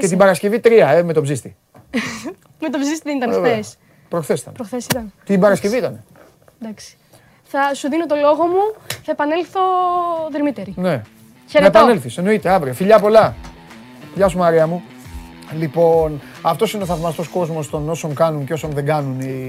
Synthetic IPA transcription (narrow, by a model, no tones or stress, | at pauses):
ccet̪ibɐɾɐsce̞vit̪ɾiɐeme̞t̪o̞bzist̪i | met̪obzist̪iðenit̪ɐneves | pɾoxθesi̥t̪ɐ̰npɾoxθesit̪ɐnt̪it̪ibɐɾɐsce̞viit̪ɐne | d̪ɐksi̥ | θɐsuðino̞t̪o̞lo̞ɣo̞muθɐepɐnelθo̞ðeɾmit̪eɾine̞ | çeɾɐepɐne̞lθise̞no̞it̪eɐvɾiofiʎɐpo̞lɐ | fiʎɐsumɐɾiɐmu | lipo̞n | ɐft̪o̞sineoθɐvmɐst̪o̞sko̞zmo̞st̪o̞no̞so̞ŋkɐnunceo̞sonðeɡɐnuni